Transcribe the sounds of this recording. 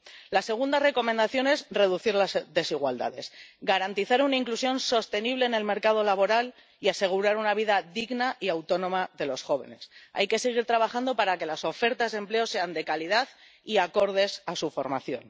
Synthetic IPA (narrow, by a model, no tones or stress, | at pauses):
lase̞ɣ̞und̪are̞ko̞mẽnd̪aθjo̞ne̞zre̞ðuθiɾlazðe̞siɣ̞wa̰ld̪a̰ðe̞̰sɡaɾant̪iθaɾunaiŋklusjo̞nso̞st̪e̞niβ̞le̞ːne̞lme̞ɾkaðo̞laβo̞ɾal | iase̞ɣ̞uɾaɾunaβ̞iðaðiɣnaʔiawt̪o̞nõ̞maðe̞lo̞sxo̞β̞e̞̰ne̞̰sa̰jke̞se̞ɣ̞iɾt̪ɾaβaxand̪o̞paɾake̞laso̞fe̞ɾt̪azðemple̞o̞se̞and̪e̞kalið̞að | iako̞ɾð̞e̞sasufo̞ɾma̰θjo̞̰n